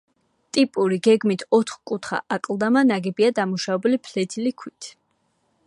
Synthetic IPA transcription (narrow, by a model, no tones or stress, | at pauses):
t̪ʼipʼuɾiɡɛɡmit̪ʰɔt̪ʰχkʼut̪ʰχa̰ʔakʼlˠd̪amanaɡɛbiad̪amuʃavɛbulipʰlɛt̪ʰilikʰwit̪ʰ